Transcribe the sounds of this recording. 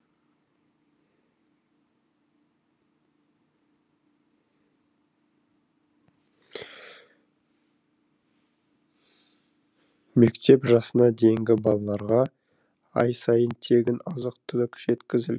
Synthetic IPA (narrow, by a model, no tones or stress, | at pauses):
me̞kt̪ʰe̞pʒɑsənɑd̪e̞jɪŋɡʲɪbɑlˠɑlˠɑɾʁɑ | ɑ̰jsɑjənt̪ʰe̞ɡʲɪnɑzəqt̪ʰʏlɪkʒ̥e̞t̪kʲɪzɪl